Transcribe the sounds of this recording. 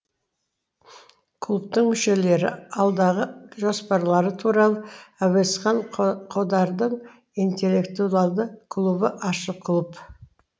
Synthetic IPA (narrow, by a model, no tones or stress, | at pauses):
kʰlˠup̚t̪əɴmʏʃe̞le̞ɾɪ̰ɑlˠd̪ɑʁəʒospɑɾlˠɑɾət̪ʰuɾɑlˠəɑwesqɑɴqʰo̞d̪ɑɾd̪əɴ | int̪e̞lːe̞kt̪uɑlˠd̪əkʰlˠubəʔɑʃəkʰlˠup